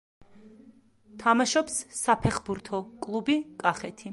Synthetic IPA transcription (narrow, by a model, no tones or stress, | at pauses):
t̪ʰamaʃɔpsːapʰɛχbuɾt̪ʰɔkʼlˠubikʼaχɛt̪ʰi